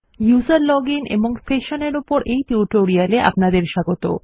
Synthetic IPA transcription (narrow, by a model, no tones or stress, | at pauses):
juzaɾlɔɡinʔḛboŋseʃoneɾupoɾʔejʈuʈoɾialeʔa̰pnad̪eɾʃaɡot̪o̰